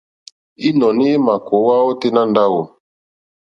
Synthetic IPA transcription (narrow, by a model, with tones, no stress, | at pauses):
i˦nɔ˨ni˦e˦ma˨ko˨˦wa˦ɔ˦te˦na˦nda˦wo˨